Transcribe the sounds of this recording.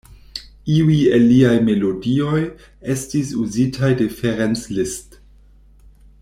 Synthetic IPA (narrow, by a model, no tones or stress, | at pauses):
iuielːiajme̞lo̞dio̞j | e̞stis̬uzitʰajdefeɾenslist